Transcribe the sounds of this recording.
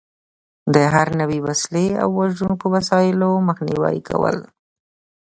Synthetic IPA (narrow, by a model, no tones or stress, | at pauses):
d̪əɦaɾnawiwaslea̰wːaʒun̚pəwasɑjɪloməxniwa̰jkʰa̰wə̰l